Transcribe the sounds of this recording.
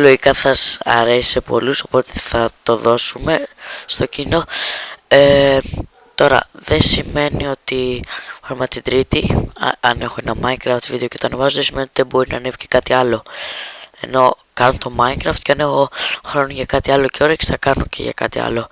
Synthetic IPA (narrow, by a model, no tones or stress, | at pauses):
loʝikɐθɐsɐ̰ɾesi̥sepo̞̰luso̞po̞t̪e̞θɐt̪o̞ðo̞sume̞st̪o̞cino̞ | e | t̪o̞ɾɐ̰ðe̞sime̞nio̞t̪iɐmɐt̪id̪ɾit̪ḭɐne̞xo̞e̞nɐmɐiŋkɾɐft̪vid̪ecet̪oɐnevɐzoðesimenot̪iðebo̞ɾinɐ̰nefci̥kɐt̪iɐlo̞ | e̞̰no̞ | kɐnont̪o̞mɐiŋkɾɐft̪ceɐne̞xo̞xɾonoʝɐkɐt̪iɐlo̞ceo̞ɾecsθɐkɐnocḛʝɐ̰kɐ̰t̪iɐ̰lo̞